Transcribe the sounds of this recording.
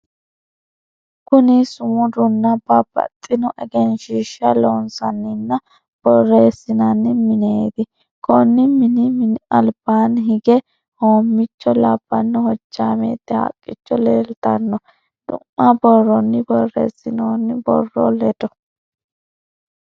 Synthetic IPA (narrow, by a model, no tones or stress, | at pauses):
kʊnɪsʊmʊd̪ʊnːɐbɐbɐ̰t̪ʼːɪnɔʔɛɡɛnʃiːʃːɐloːnsɐnːɪnːɐ | b̥ɔrːe̞ːsːɪnɐnːɪmɪneːd̪ɪ | kʰɔnːɪmɪnɪmɪnɐlb̥aːnɦɪɡɛ | ho̞ːmːɪt͡ʃːɔlɐb̥ːɐnːɔhɔd͡ʒːaːmḛːt̪ːɛhɐ̰kʼːɪt͡ʃːɔleːlt̪ɐnːɔ | ᶑʊ̰mːɐbɔrːɔnːɪbɔrːḛːsːɪnoːnːɪbɔ̰rːɔ̰lɛd̪ɔ